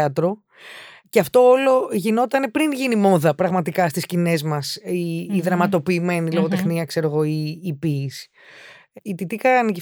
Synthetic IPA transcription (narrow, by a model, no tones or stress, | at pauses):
ɐt̪ɾo̞ | ceɐft̪o̞olo̞ʝino̞t̪ɐne̞pɾinʝinimo̞ðɐpɾɐɣmɐt̪ikɐst̪iscine̞zmɐsiːðɾɐmɐt̪o̞piːme̞nilo̞ɣo̞t̪exniɐkse̞ɾo̞ɣo̞iːpis | it̪it̪ikɐnici